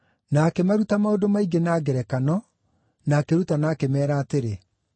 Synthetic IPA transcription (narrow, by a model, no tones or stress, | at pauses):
naːkemaɾutamaodomaiɡenaːɡɛɾɛkanɔ | naːkeɾutanaːkemɛːɾaːteɾe